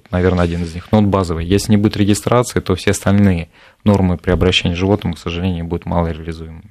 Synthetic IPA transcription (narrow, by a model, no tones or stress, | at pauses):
t̪nɐvʲe̞rnəɐdʲinɨzʲnʲixnot̪bazəvɨjjesʲlʲɪnʲɪbudʲɪt̪ɾʲɪɡʲɪst̪ɾat̪sɨət̪o̞fsʲeɐst̪ɐlʲnɨjə | no̞rmɨpɾʲɪɐbɾɐɕːenʲɪjʐɨvo̞t̪nəmʊksəʐɨlʲenʲʊbudʲɪt̪ma̰lˠəɾʲɪəlʲɪzujɪmɨmʲɪ